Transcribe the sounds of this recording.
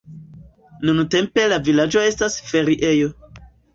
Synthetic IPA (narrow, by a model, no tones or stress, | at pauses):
nunute̞mpe̞lavilad͡ʒo̞e̞stasfe̞ɾiʔe̞jo̞